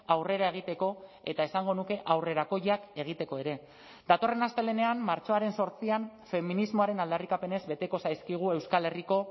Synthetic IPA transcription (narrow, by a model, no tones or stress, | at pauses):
awre̞ɾae̞ɣ̞it̪e̞ko̞ | e̞t̪ae̞saŋɡo̞nuke̞ʔawre̞ɾako̞jake̞ɣ̞it̪e̞ko̞e̞ɾe̞ | d̪at̪o̞re̞nast̪e̞le̞ne̞amːaɾt͡so̞aɾe̞nso̞ɾt͡sianfe̞minizmo̞aɾe̞nald̪arikape̞ne̞zbe̞t̪e̞ko̞sajskiɣ̞ue̞wskale̞riko̞